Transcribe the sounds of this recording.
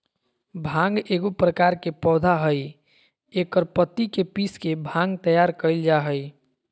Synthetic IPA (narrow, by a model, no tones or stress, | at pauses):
bʱãŋɡeːɡopɾəkaɾkepɔːd̪ʱaɦəj | ekəɾpət̪ːikepiskebʱãŋɡt̪əjaɾkəɪld͡ʒaɦəj